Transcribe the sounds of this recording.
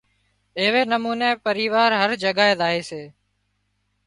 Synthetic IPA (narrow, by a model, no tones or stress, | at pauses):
eːʋeːnəmuːneːpəɾiːʋaːɾɦəɾd͡ʒəɡaːeːd̪aːɦeːseː